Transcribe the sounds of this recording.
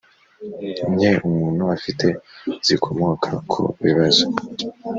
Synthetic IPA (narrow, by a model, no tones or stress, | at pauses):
umɲeʔumuːnhuafitʰe̞z̥ikʰo̞mokʰa̰kʰṵβḭβazo